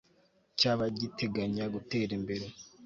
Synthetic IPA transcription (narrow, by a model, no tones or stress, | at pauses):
caβaɟitʰe̞ɡaɲaɡute̞ːɾimbe̞ɾe̞